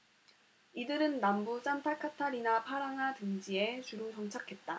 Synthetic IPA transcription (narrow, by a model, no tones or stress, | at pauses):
idɯɾɯnːambut͡ɕ͈ʰantʰakʰatʰaɾinapʰaɾaŋɦatɯŋd͡ʑie̞t͡ɕuɾusʰʌŋt͡ɕʰakʰe̞t̚t͈a